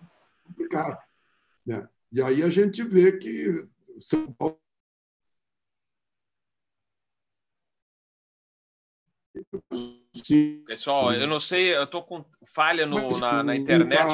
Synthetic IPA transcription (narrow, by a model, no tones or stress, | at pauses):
kõplikad̪ʊ | ɛ̰ | ɪaiɐʒẽt͡ʃɪvekɪ | sɐ̃pa | sĩpesawewnɐ̃w̃sejewt̪okõ | faʎɐnʊnɐnɐĩt̪eɾnɛt͡ʃ